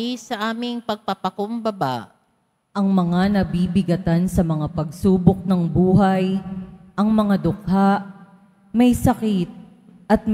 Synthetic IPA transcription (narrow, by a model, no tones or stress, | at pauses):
isɐʔaːmɪŋpɐɡ̚pɐpɐkombɐba̰ʔ | ʔɐŋmɐŋanɐbibɪɡɐt̪ansɐmɐŋapɐɡsuːbok̚nɐŋbuːɦɐjʔɐŋmɐŋad̪ʊk̚haʔ | mɐjsɐkit̪̚ | ʔɐt̪̚m